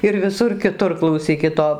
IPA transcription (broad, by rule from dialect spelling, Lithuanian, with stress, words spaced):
ɪr ʋʲɪˈsʊr kʲɪˈtʊr klˠɐʊˈsʲiːkʲɪt ˈoː